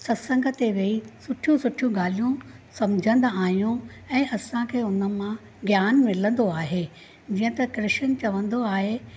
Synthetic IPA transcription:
sɐsə̃ŋɡʱə̆t̪eʋeisʊʈʰijũsʊʈʰijũɡaːl̤ijũsɐmd͡ʑʱə̃nd̪aːijũɛ̃ːʔɐsãkʰeːʊnə̆mã | ɡjaːnmɪlə̃nd̪oaːɦe | d͡ʑiːə̃t̪ɐkɾɪʃənɪ̆t͡ɕɐʋə̃nd̪oaːɦe

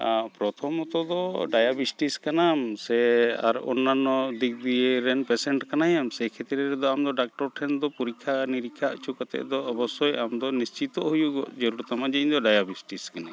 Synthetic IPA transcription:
pɾɔt̪ʰɔmɔt̪ɔd̪ɔɖajabisʈiskanamsɛa̰ɾɔnːanːɔd̪ik̚d̪iɛɾɛnpɛsɛɳʈkanajamsɛkʰɛt̪ɾɛɾɛd̪ɔamd̪ɔɖak̚ʈɔɾʈʰɛnd̪ɔpuɾikʰːaniɾikʰːaʔt͡ʃʰukat̪ɛ̰ʔd̪ɔːbɔsɔjamd̪ɔnist͡ʃit̪ɔʔɦujuɡɔd͡ʒɔɾuɾɔt̪amad͡ʒiɲd̪ɔɖajabisʈiskana

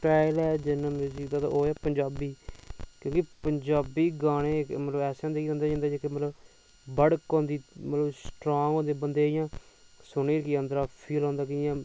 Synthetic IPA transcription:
ʈaːɪlɛːd͡ʒɪnamuːziːkd̪aːt̪a̰ːʔoːaːpəɲd͡ʒaːbiːkjõːkipəɲd͡ʒaːbiːɡaːɽ̃ẽːkmət̪ləbɛːsãːd̪eːkiːɾɛ̃nd̪aːd͡ʒãːnd̪aːd͡ʒekɪmət̪ləb | bəɽkõːnd̪iːmət̪ləbsʈɾoːŋõːd̪eːbənd̪eːɪjãː | sʊɳeːkiːə̃nd̪ɾaːpʰiːlɦɔ̃ːnd̪aːk̬ɪjãː

